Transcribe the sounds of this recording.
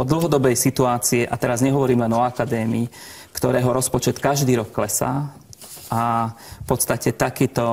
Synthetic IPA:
ɔd̪l̩ɦɔd̪ɔbɛjsit̪uaːt͡siɛʔat̪ɛɾazɲɛɦɔʋɔɾiːmlɛnɔakad̪ɛːmiː | kt̪ɔɾɛːɦɔɾɔspɔt͡ʃɛt̪kaʒd̪iːɾɔkːlɛsa̰ː | apɔt̪st̪acɛt̪akɛːt̪ɔ

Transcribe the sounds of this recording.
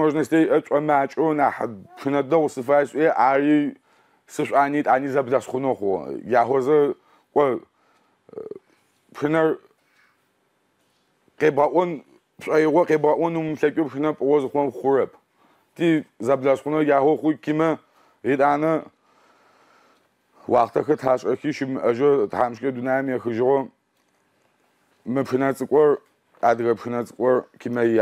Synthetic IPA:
mɐʒnɐstʰɐiʔɐt͡ʃʷʼɐmaːt͡ʃʼɔnaːħpʂɨnɐdɐʁʷsɨfaːsʼʔijɛʔaːriː | sɨɕʷʼaːniːtʼaːniːzɐbɮɐsχʷʊnoχʷʊ̰jaːɦʷɔzɐ | kʷʼɔ | pʂɨnɐr | qeːbʁɐʔʷɔn | pɕʼɐjiʁʷɔqeːbʁɐʔʷɔnuːmmɬɐkʷʼʊpxɨnɐpʼɨʁʷɔzɨχʷɔmχʷʊrɐpʰ | tʰʼiːzɐbɮɐsχʷʊnɐjaːʁʷɔχʷʊkimɐ | iːtʼaːnɐ | waːχtʰɐxɐtħaːɕʼɐxiːʃimɨʔɐʒɐtħaːmʃkʼɐdunaːjɐmjɛxɨʒɪʁʷɔ | mɨpxɨnɐrt͡sʼɨkʷʼɔr | aːdɨɣɐpxɨnɐt͡sʼɨ̥kʷʼɔrkimɐ

